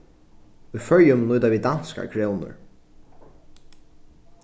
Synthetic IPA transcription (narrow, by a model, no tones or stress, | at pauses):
ujfœɹjʊmnʊjt̪avid̪anska̰kʰɾɛːwnʊ̰ɹ